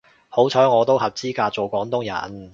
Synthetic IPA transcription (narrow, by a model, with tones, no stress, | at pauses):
ho˨˥wt͡sʰɔː˨˥ŋɔː˨˧t̪o˥wɦɐ˨p̚t͡siː˥kaː˧t͡so˨wkʷɔː˨˥ŋt̪ʊ˥ŋjɐ̰˨˩n